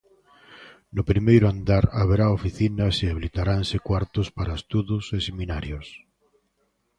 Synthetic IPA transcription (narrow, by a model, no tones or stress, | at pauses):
nʊpɾimejɾʊand̪aɾaβeɾaofiθinɐseaβilit̪aɾansekwaɾt̪ʊspaɾaest̪uðʊseseminaɾjos